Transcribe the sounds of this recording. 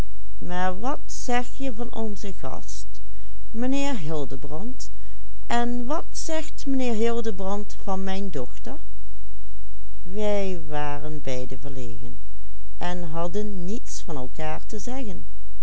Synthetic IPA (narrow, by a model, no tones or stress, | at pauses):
maːɹʋɑtsɛxjəvɑnʔɔnzəɣɑ̰st | məneːɹɦɪlˠdəbrɑnt | ʔɛnʋɑtsɛxtmənɪːɹɦɪlˠdəbrɑntfɑnmɛjndɔxtəɹ | ʋɛj | ʋaːrənbɛjdəvəɹleːɣən | ʔɛnɦɑdənːitsfɑnɛlˠkaːɹtəzɛɣən